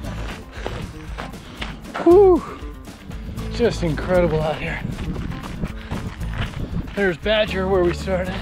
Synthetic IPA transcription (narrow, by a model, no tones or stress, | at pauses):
u | d̥ʒ̥ʌstɨ̃nkʰɹ̥ɛɾəbl̩ˠaʊt̚hiɹ | ðə˞zbæd͡ʒəɹwə˞wistɑɹɾ